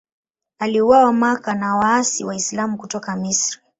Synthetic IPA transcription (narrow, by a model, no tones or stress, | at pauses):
aliuwawamakanawaasiwaislamukutɔkamisɾi